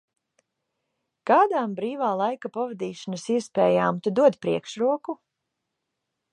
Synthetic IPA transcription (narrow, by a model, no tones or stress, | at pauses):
kaːd̪aːmbɾiːvaːlˠajkapavad̪iːʃɔnasiɛspɛːjaːmt̪ud̪uɔd̪pɾiɛkʃɾuɔku